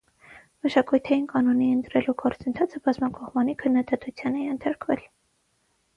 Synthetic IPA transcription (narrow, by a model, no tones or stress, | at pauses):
məʃɑkujt̪ʰɑjinkɑnuniənt̪ɾɛluɡɔɾt͡sənt̪ʰɑt͡sʰəbɑzmɑkʰɔχmɑnikʰənːɑd̪ɑt̪ut͡sʰjɑnɛjɛnt̪ʰɑɾkvɛ̰l